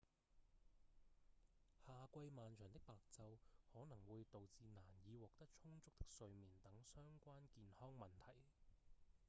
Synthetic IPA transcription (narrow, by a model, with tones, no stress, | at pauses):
haː˨kʷɐ˧jmaː˨nt͡ʃʰœː˨˩ŋt̪ɪ˥k̚paː˨k̚t͡sɐ˧whɔː˨˥nɐ˨˩ŋwuː˨˧jt̪o˨wt͡siː˨˧naː˨˩njiː˨˧wɔː˨k̚t̪ɐ˥k̚t͡ʃʰʊ˥ŋt͡sʊ˥k̚t̪ɪ̥˥k̚sɵ˧ɥmiː˨˩nt̪ɐ˨˥ŋsœː˥ŋkʷaː˥nkiː˨˧nhɔː˥ŋmɐ˨nt̪ʰɐ˨˩j